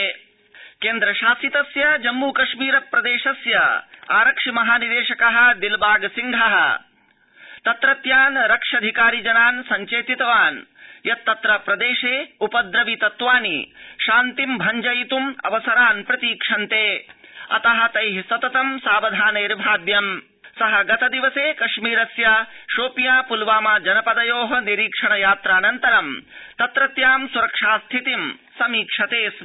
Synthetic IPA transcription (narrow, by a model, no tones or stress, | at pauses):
keːnd̪ɾɐʃaːsit̪ɐsjɐd͡ʒɐmːuːkɐʃmiːɾɐpɾɐd̪eːʃɐsjɐaːɾɐkʂimɐɦaːnid̪eːʃɐkɐɦɐ̆d̪ilbaːɡsiŋɡʱɐɦɐ̰̆ | t̪ɐt̪ɾɐt̪jaːnɾɐkʂɐd̪ʱikaːɾid͡ʒɐnaːnsɐɲt͡ʃeːt̪it̪ɐʋaːnjɐt̪ːɐt̪ɾɐpɾɐd̪eːʃeːupɐd̪ɾɐʋit̪ɐt̪ʋaːnḭʃaːnt̪imbʱɐɲd͡ʒɐjit̪umɐ̰ʋɐsɐɾaːnpɾɐt̪iːkʂɐnt̪eːɐ̰t̪ɐɦɐ̆t̪ɐjɦisɐt̪ɐt̪ɐmsaːʋɐd̪ʱaːneːɾbʱaːd̪jɐm | sɐɦɐɡɐt̪ɐd̪iʋɐseːkɐʃmiːɾɐsjaʃoːpjaːpulʋaːmaːd͡ʒɐnɐpɐd̪ɐjoːɦɐniɾiːkʂɐɳɐjaːt̪ɾaːnɐnt̪ɐɾɐmt̪ɐt̪ɾɐt̪jaːmsuɾɐkʂaːst̪ʰit̪imsɐmiːkʂɐt̪eːs